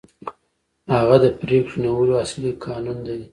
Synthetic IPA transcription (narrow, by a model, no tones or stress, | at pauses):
haɣad̪əpɾekʃunawəloaslikʰɑnund̪ad̪i